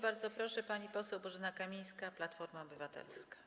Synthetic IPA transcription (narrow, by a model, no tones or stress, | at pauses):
baɾd̪zɔpɾɔʂɛpaɲipɔsɛwbɔʐɘnakamʲij̃skaplat̪fɔɾmaɔbɘvat̪ɛ̰lskḁ